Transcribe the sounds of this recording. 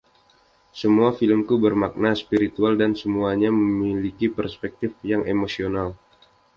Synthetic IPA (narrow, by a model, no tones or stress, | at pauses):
səmuafiləmkubərmak̚naspiɾit̪ualdansəmuaɲaməmilikipərspɛk̚t̪ɪfjaŋʔemosional